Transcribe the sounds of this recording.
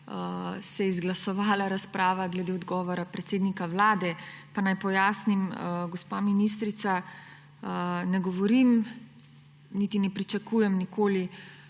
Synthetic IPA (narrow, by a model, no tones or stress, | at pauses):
sɛjɛizɡlasɔʋaːlaɾaspɾaːʋaɡlɛd̪eːɔd̪ɡɔːʋɔɾapɾɛt̪seːd̪nikaʋlaːd̪ɛpanajpɔjaːsnimɡɔspaːminis̬t̪ɾit̪sa | nɛɡɔʋɔɾim | nit̪inɛpɾit͡ʃakujɛmnikoːli